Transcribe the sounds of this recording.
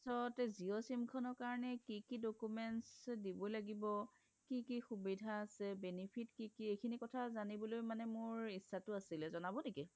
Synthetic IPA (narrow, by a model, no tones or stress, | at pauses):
sɔtɛziɔsimkʰɔnɔɹkaɹɔnɛkikidokumɛnsdibɔjlaɡibɔ | kikixubidʱaːsɛbɛnipʰitkikiejkʰinikɔtʰazanibɔlojmanɛmʊɹisːatʊasilɛzɔnabɔneki